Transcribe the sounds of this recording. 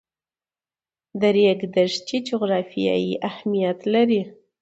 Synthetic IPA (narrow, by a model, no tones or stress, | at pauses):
d̪əɾjeɡd̪aʂt͡ʃid͡ʒoɣɾɑfija̰jiʔahmijat̪laɾi